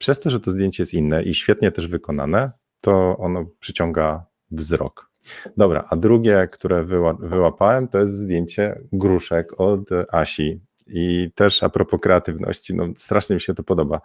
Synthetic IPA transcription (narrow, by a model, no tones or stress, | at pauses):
pʂɛst̪ɔʐɛt̪ɔzd̪ʲjeɲt͡ɕɛjɛst̪inːɛʔiɕfʲjɛt̪ɲɛt̪ɛʐvɘkɔna̰nɛ | t̪ɔɔnɔpʂɘt͡ɕɔŋɡa | vzɾɔ̰k | d̪ɔbɾa̰ʔad̪ɾuɡʲjɛkt̪uɾɛvɘwavɘwapawɛmt̪ɔjɛst̪zd̪jeɲt͡ɕɛɡɾuʂɛkɔt̪aɕi | it̪ɛʂa̰pɾɔpɔkɾɛat̪ɘvnɔ̰ɕt͡ɕinʔɔ̰st̪ɾaʂɲɛmʲiɕɛt̪ɔpɔd̪ɔba